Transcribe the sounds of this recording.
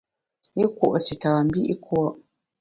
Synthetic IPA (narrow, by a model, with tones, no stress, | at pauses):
i˦kwo̰˨ʔsi˨taː˨m̩˦bi˦ʔi˦kwɔ˦ʔ